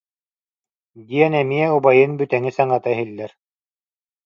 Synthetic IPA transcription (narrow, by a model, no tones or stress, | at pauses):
d̪iɛnɛmiɛubajɯnbyt̪ɛŋisaŋat̪aɦilːɛɾ